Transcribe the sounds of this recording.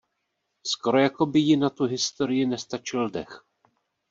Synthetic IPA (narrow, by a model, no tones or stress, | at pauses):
sko̞ɾo̞jako̞bɪjɪnat̪uɦɪst̪o̞ɾɪjɪnɛst̪at͡ʃɪldɛ̰x